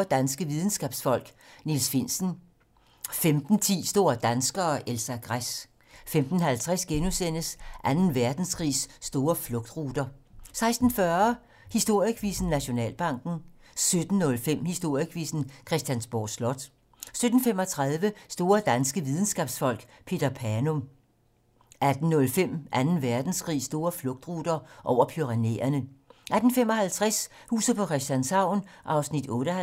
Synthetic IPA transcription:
d̥ænsɡ̥əʋið̞ˠn̩sɡ̥ɛːb̥sfɒ̽l̰ɡ̥nilsfen̰sn̩ | femd̥n̩t͡sʰḭːsd̥o̝ːɐd̥ænsɡ̥ɐːʔelsæɡ̥ʁas | femd̥n̩hælt͡sʰʁɛsɡ̥enusen̰əsʔænn̩ʋæɐd̥n̩skʰʁḭːsːd̥o̝ːɐflɔ̽ɡ̥d̥ʁuːd̥ɐsɑ̈ɪsd̥n̩fɶɐ | hisd̥o̝ɐ̰iəkʰʋḭːsn̩ːæɕo̝nɛ̰ːlb̥ɑ̈ŋ̰ɡ̥n̩ | sød̥n̩ːɔ̽lfem̰hisd̥o̝ɐ̰jəkʰʋḭːsn̩kʰʁɛsd̥jænsb̥o̰slɒd̥ | sød̥n̩femɒ̽t͡sʰʁɑðˠʋəsd̥o̝ːɐd̥ænsɡ̥əʋið̞ˠn̩sɡ̥ɛːb̥sfɒ̽l̰ɡ̥pʰe̝ːd̥ɐpʰæɐnɔ̽m | ʔæd̥n̩ːɔ̽lfem̰ʔænn̩ʋæɐd̥n̩sɡ̥ʁḭːsd̥o̝ːɐflɔ̽ɡ̥̚d̥ʁud̥ɐʔɒʊ̰ɐpʰyʁɑne̝̰ɐnəʔæd̥n̩femɒhælt͡sʰʁɛshṵːsð̩ˠpʰɒ̽kʰʁɛsd̥jænsɑ̈ʊ̰nʔɑ̈ʊsnid̥ɔ̽ːɾə

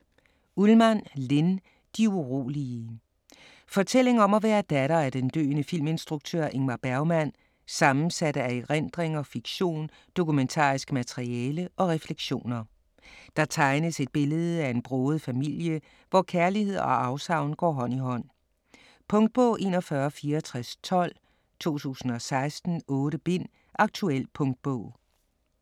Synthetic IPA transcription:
ulmænle̝n | d̥iuʁo̝̰ːliə | fɒ̽t͡sʰel̰e̝ŋɒ̽mɒʋæːɐd̥æɾ̥ɐæɐd̥end̥ø̰ːnəfil̰me̝nsd̥ʁuɡ̥̚t͡sʰø̰ɐ̰ʔe̝ŋmɑb̥æɐʊmæn̰ | sɑ̈mn̩sæɾ̥əæeʁend̥ʁeŋɒ̽fiɡ̥ɕo̝̰ːn | d̥o̝kument͡sʰɑ̰̈ːisɡ̥əmæt͡sʰeʁiɛːləʔɒ̽ʁɛfleɡ̥ɕo̝̰ːnɐ | d̥ɑ̈t͡sʰɑ̈ɪnəse̝d̥̚b̥e̝ləð̞̩ˠæe̝nb̥ʁɔːð̞̩ˠfæmil̰jə | ʋɒkʰæɐlihe̝ð̰ˠɒ̽ɑ̈ʊsɑ̈ʊnɡ̥ɒ̰ːɦɒ̽n̰iɦɒ̽n̰ | pʰɔ̽ŋd̥̚b̥ɔʊ̰ʔe̝̰nɒ̽fɶːɐfiːɐt͡sʰʁast͡sʰɒ̽l̰ | t͡sʰo̝̰ːt͡sʰṵːsn̩ɒ̽sɑ̈ɪsd̥n̩ɔ̽ːɾəb̥e̝n̰ | ʔɑ̈ɡ̥̚t͡sʰuel̰pʰɔ̽ŋd̥̚b̥ɔ̰ʊ̰

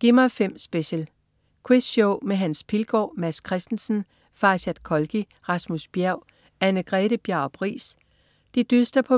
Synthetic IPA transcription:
ɡ̥imɐfem̰sb̥eɕəl | kʰwisɕɔʊmeɦænspʰilɡ̥ɒ̰ːmæskʰʁɛsd̥n̩sn̩ | fɑ̈ːɕæd̥kʰɒ̽lɡ̥i | ʁɑ̈smusb̥jæɐʊ̰ | ænəɡ̥ʁɛːɾ̥əb̥jæʊ̰b̥ʰʁḭːs | d̥id̥ysd̥ɐpʰɒ̽

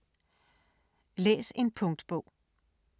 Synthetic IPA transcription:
lḛːse̝npʰɔ̽ŋd̥b̥ɔʊ̰

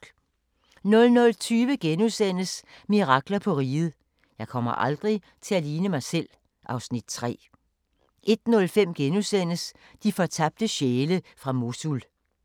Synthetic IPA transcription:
nɔ̽lnɔ̽lt͡sʰyːʋəɡ̥enusen̰əsmiʁɑ̈ɡ̥lɐpʰɒ̽ʁiːð̩ˠ | jɑ̈ɪkʰɒ̽m̰ɐ̰ʔɑ̈ld̥ʁi | t͡sʰe̝læliːnəmɑ̈ɪsel̰ | ʔɑ̈ʊsnid̥t͡sʰʁɛ̰ː | ʔe̝d̥nɔ̽lfem̰ɡ̥enusen̰əs | d̥ifɒ̽t͡sʰɑb̥̚d̥əɕeːləfʁɑ̈mo̝sul

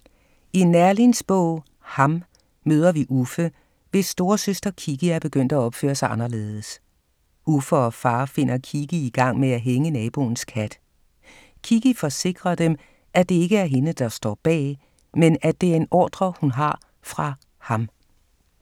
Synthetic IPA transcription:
inæɐlinsb̥ɔ̰ʊ̰ | hɑ̈m | møːð̞ˠɐʋiʔufə | ʋe̝sːd̥o̝ːɐsøsd̥ɐkʰiɡ̥iæɐb̥e̝ɡ̥øn̰d̥æɒ̽b̥fø̰ːɐsɑ̈ɪɑ̈nɐle̝ːðˠəs | ufəɒ̽fɑ̈ːfe̝n̰ʔɐkʰiɡ̥iiɡ̥ɑ̈ŋ̰meæɦeŋənɛːb̥o̝̰ːn̩skʰæd̥ | kʰiɡ̥ifɒ̽se̝ɡ̥ʁɐd̥em | ʔæd̥e̝e̝ɡ̥əæɐɦe̝nəd̥ɑ̈sd̥ɒ̰ːb̥ɛ̰ː | menæd̥e̝æɐe̝nɒ̰ːd̥ʁɐhunɦɑ̈ | fʁɑ̈ | hɑ̈m

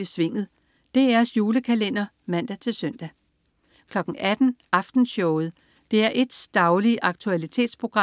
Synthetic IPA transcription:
isʋe̝ŋ̰ð̩ˠ | d̥e̝æɐsjuːləkʰælen̰ɐ | mæn̰d̥æt͡sʰe̝lsœn̰d̥æ | kʰlɒ̽ɡ̥ŋ̩ʔæd̥n̩ʔɑ̈fd̥n̩ɕɔʊð̞̩ˠ | d̥e̝æɐʔe̝d̥sd̥ɑ̈ʊliəʔɑ̈ɡ̥̚t͡sʰuælit͡sʰe̝̰ːd̥spʰʁo̝ɡ̥ʁɑ̈

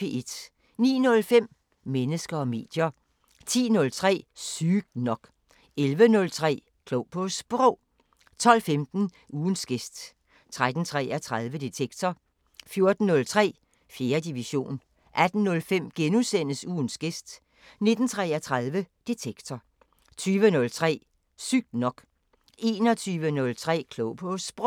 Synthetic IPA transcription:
eʔed̥ | nḭːnɔ̽lfem̰ | menəsɡ̥ɐɒ̽me̝̰ːd̥jɐ | t͡sʰḭːnɔ̽lt͡sʰʁɛ̰ːsyːɡ̥̚nɒ̽ɡ̥ | elʋənɔ̽lt͡sʰʁɛ̰ː | kʰlob̥ʰosb̥ʁɔʊ̰ | t͡sʰɒ̽l̰femd̥n̩ | uːnsɡ̥e̝sd̥ | t͡sʰʁad̥n̩t͡sʰʁɛ̰ːæt͡sʰʁaðˠʋəd̥et͡sʰeɡ̥t͡sʰɒ | fjo̝ɐd̥n̩ːɔ̽lt͡sʰʁɛ̰ː | fje̝ːɐd̥iʋiɕo̝̰ːn | ʔæd̥n̩ːɔ̽lfem̰ɡ̥enusen̰əsuːnsɡ̥e̝sd̥ | ne̝d̥n̩t͡sʰʁɛːæt͡sʰʁaðˠʋəd̥e̝t͡sʰeɡ̥t͡sʰɒ | t͡sʰyːʋənɔ̽lt͡sʰʁɛ̰ː | syɡ̥nɒ̽ɡ̥ | e̝ːnɒ̽t͡sʰyːʋənɔ̽lt͡sʰʁɛ̰ːkʰlɔʊpʰosb̥ʁɔ

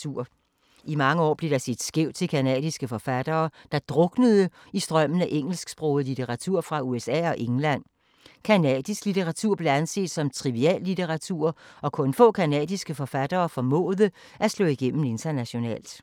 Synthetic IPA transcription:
uɐ̰ | imɑ̈ŋəɒ̰ːb̥le̝ɾ̥ɑ̈se̝d̥sɡ̥eʊt͡sʰe̝lkʰænɛ̰ːð̥ˠisɡ̥əfɒ̽fæd̥ɐːd̥ɑ̈d̥ʁɔ̽ɡ̥nəð̞ˠə | isd̥ʁɶm̰n̩æʔeŋ̰l̩sɡ̥sb̥ʁoʊð̩ˠlit͡sʰe̝ʁɑ̈t͡sʰuɐ̰fʁɑ̈uesɛ̰ːɒ̽ʔe̝ŋlæn̰ | kʰænɛ̰ːd̥ˠisɡ̥lit͡sʰeʁɑ̈t͡sʰuɐ̰ble̝ænse̝̰ːd̥sɒ̽mt͡sʰʁiʋiɛ̰ːlːit͡sʰeʁɑ̈t͡sʰuɐ̰ɒ̽kʰɔ̽nfɔ̰̽ːkʰænɛ̰ːðˠisɡ̥əfɒ̽fæd̥ɐːfɒ̽mɔ̰̽ːðˠə | ʔæslɔ̰̽ːiɡ̥en̰m̩e̝nt͡sʰɐnæɕo̝nɛ̰ːld̥

